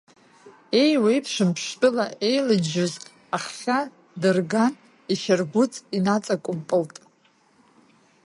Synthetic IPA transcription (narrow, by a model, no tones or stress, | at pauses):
e̞jwejpʰʂɨmpʰʂtʼɨlaʔe̞jlɨd͡ʒɪzkʼ | aχːʲa | dɨrɡan | iʃarɡʷʊt͡sʼinat͡sʼakʷʼʊmpʼɨltʼ